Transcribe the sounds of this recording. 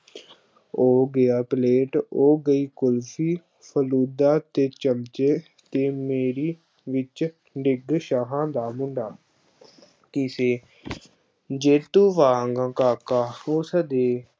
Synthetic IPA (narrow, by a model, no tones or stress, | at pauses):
oːɡɪjaːpleːʈoːɡəiːkʊlpʰiː | pʰəluːd̪aːt̪eːt͡ʃəmt͡ʃeː | t̪eːmeːɾiː | ʋɪt͡ʃ | ɖɪɡʃaːɦãːd̪aːmʊɳɖaː | kɪseː | d͡ʒeːt̪ũːʋaːŋɡãkaːkaːʊsəd̪eː